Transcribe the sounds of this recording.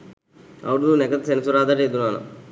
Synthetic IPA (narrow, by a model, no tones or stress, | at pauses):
ɐ̰wɽununɛkɐt̪sensuɾaːd̪aɾed̪unːaːna̰